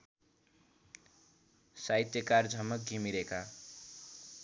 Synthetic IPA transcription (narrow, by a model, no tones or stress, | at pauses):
sajt̪jʌkard͡zʱʌmʌk̚ɡʱimiɾeka